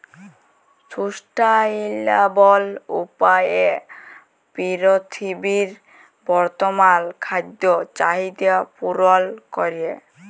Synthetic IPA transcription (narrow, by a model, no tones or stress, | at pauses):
susʈailabɔlupaje | piɾot̪ʰibiɾ | bɔɾt̪omankʰad̪ːot͡ɕaɦid̪eapuɾolkoɾie